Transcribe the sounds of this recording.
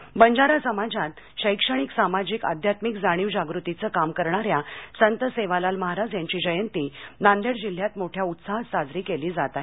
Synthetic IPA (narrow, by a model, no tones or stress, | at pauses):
bəɲd͡ʑaɾasəmad͡ʑat̪̚ | ɕəjkʂəɽ̃iksamad͡ʑiːka̰d̪ʱjat̪mikd͡zaɽ̃iːʋd͡ʑaɡɾut̪it͡səkamkəɾɳaɾjasənt̪əseʋalalməɦaɾad͡zjaɲt͡ɕiːd͡ʑəjənt̪inand̪eɽd͡ʑil̤ːjat̪moʈʰjaut̪saɦsad͡zɾiːkeliːd͡zat̪a